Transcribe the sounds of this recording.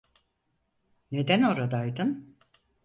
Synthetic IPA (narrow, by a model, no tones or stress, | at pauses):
ne̞d̪æno̞ɾad̪ajd̪ɯn